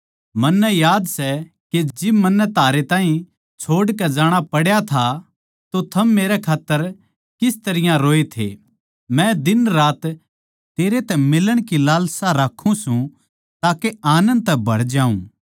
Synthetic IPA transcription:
mɐnːɛjaːd̪sɛ | ked͡ʒɪbmɐnːɛt̪aːɾet̪ãːɦĩ | t͡ʃʰoːɽkɛd͡ʒaːɽ̃apɐɽjat̪ʰa | t̪ot̪ʰɐmːeːɾɛkʰaːt̪ːəɾ | kɪst̪ɐɾɪjãɾoːet̪ʰḛ | mɛ̃d̪ɪnɾaːt̪ | t̪eːɾet̪ɛmɪləɽ̃kilaːlsaɾaːkʰũsũ | t̪aːkeaːnə̃nd̪̚t̪ɛbʱɐɽd͡ʒaːṵ̃

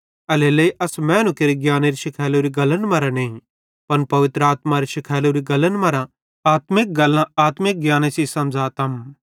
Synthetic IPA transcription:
ɐleleiʔɐsmɛ̃ːnũkeɾiɡjaːneɾiʃɪkʰaːloɾiɡɐlənmɐɾãneːĩ | pɐnpɐʋɪt̪ɾəaːt̪maɾiʃɪkʰaːloɾiɡɐlənmɐɾã | aːt̪mɪk̚ɡɐlãaːt̪mɪk̚ɡjaːnesisɐmd͡ʒaːt̪ɐm

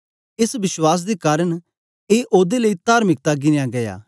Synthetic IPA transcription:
ɪsbɪswaːs̬d̪ekaːɾəɽ̃ | eːʔoːd̪eləit̪aːɾmɪk̚t̪aɡɪnejaɡɐja̰ː

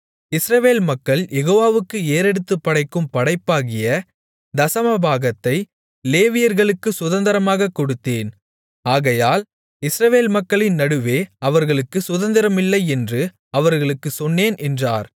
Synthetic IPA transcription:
ɪsɾɐʋeːlmɐkːɐɭjɛɣoːʋaːʋɯkːɯeːɾɛɽɯt̪ːɯpːɐɽɐɪkːɯmpɐɽɐɪpːaːɣɪjɐ | d̪ɐsɐmɐbʱaːɣɐt̪ːɐɪ | leːʋɪjɐɾɣɐɭɯkːɯsʊðɐnd̪ɐɾɐmaːɣɐkːɔɽɯt̪ːeːn | aːɣɐjaːl | ɪsɾɐʋeːlmɐkːɐɭɪnnɐɽɯʋeːɐʋɐɾɣɐɭɯkːɯsʊðɐnd̪ɐɾɐmɪlːɐɪɛndrɯ | ɐʋɐɾɣɐɭɯkːɯsɔnːeːnʔɛndraːɾ

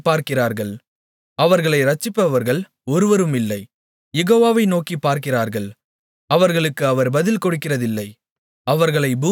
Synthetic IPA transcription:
pːaːɾkɪraːɾɣɐɭ | ɐʋɐɾɣɐɭɐɪɾɐt͡ʃːɪpːɐʋɐɾɣɐɭ | ɔɾɯʋɐɾɯmɪlːɐɪ | jɛɣoːʋaːʋɐɪnoːkipːaːɾkɪraːɾɣɐɭ | ɐʋɐɾɣɐɭɯkːɯɐʋɐɾbɐðɪlkɔɽɯkːɪrɐðɪlːɐɪ | ɐʋɐɾɣɐɭɐɪbuː

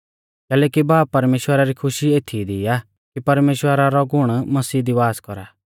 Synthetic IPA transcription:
kɛːlɛːkibaːpːɐɾmeːʃwəɾaɾikʰʊʃieːt̪ʰid̪ia | kipɐɾmeːʃwəɾaɾɔɡʱʊɽ̃mɐsiːd̪iʋaːskɔɾa̰ː

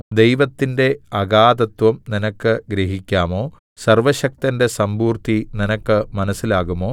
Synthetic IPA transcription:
d̪e̞jʋɐt̪ːinde̞ɐɣaːd̪ɐt̪ʋɐmninɐkːɨɡɾeɦikʲːaːmo̞ː | sɐrʋɐɕɐk̚t̪ɐnde̞sɐmbuːrt̪ininɐkːɨmɐnɐsːilaːɣumo̞ː

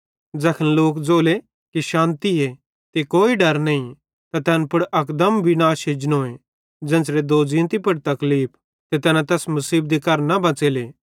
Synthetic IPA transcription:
d͡ʒɐkʰənloːkd͡zoːle | kiʃãːnt̪ie | t̪ekoːiɖɐɾnɐĩ | t̪at̪ɛːnpʊɽʔɐkd̪əmbɪnaːʃɦed͡ʒnoːẽ | d͡ʒɛ̃ːnsɾed̪oːd͡ʒĩːnt̪ipɐɽt̪ɐkliːp̚ʰ | t̪et̪ɛːnãt̪ɛːsmʊsiːb̚d̪ikɐɾnɐbɐ̃t͡seːleː

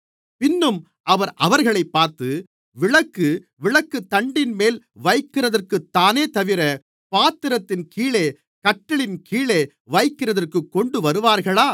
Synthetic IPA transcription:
pɪnːɯm | ʔɐʋɐɾʔɐʋɐɾɣɐɭɐɪpːaːɾt̪ɯ | ʋɪɭɐkːɯ | ʋɪɭɐkːɯt̪ːɐɳɖɪnmeːl | ʋɐɪkːɪrɐðɐrkɯt̪ːaːneːt̪ɐʋɪɾɐ | paːt̪ːɪɾɐt̪ːɪnkiːɭeː | kɐʈːɪɭɪnkʰiːɭeː | ʋɐɪkːɪrɐðɐrkɯkːɔɳɖɯʋɐɾɯʋaːɾɣɐɭaː

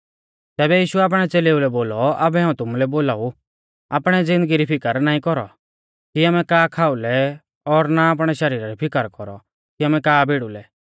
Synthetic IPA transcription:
t̪ɛːβɛjiːʃuɛaːp̬ɽ̃ɛt͡seːleːulɛboːlɔabɛɦaːũt̪ʊmulɛboːlaːu | aːpɽ̃ɛd͡zɪ̃nd̪əɡiɾipʰɪkəɾnaːĩkɔɾɔ̰ | kiaːmɛkaːkʰaːulɛ | ɔɾnaːp̬ɽ̃ɛʃɐɾiːɾaɾipʰɪkəɾkɔɾɔ | kiaːmɛkaːbeɽulɛ

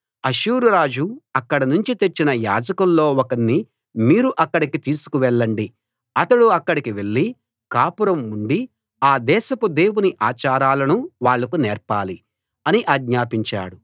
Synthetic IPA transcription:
ɐʃuːɾuɾaːd͡ʒuɐkːɐɽɐnuɲt͡ʃit̪et͡ʃːinɐja̰ːd͡ʒɐkɐllo̞ːɔkɐnːi | miːɾuʔɐkːɐɽikit̪iːsu̥kuʋɛɭːɐɳɖi | ɐt̪ɐɽuɐkːɐɽikiʋe̞ɭːi | kaːpuɾɐmuɳɖi | aːd̪ɛːʃɐpud̪e̞ːwuniʔaːt͡ʃaːɾaːlɐnuʋaːɭːɐkunɛːɾpaːli | ɐniʔaːɡɲaːpiɲt͡ʃa̰ːɽu

